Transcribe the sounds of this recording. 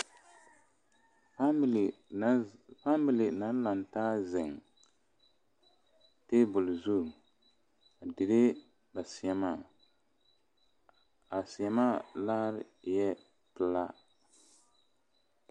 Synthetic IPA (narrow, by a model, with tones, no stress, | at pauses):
fa˦˨ | fa˦mi˨li˨na˨˦n˦la˨n˨taː˦zɪ˨ŋ | teː˦bʊ˨lzu˦˨ | a˨dɪ˨ɾɪ˦ | ba˨si˨ɛ˦ma˦˨ | a˨si˨ɛ˦ma˦laː˦ɾɪ˨jɛ˦ | pɨ˦la˦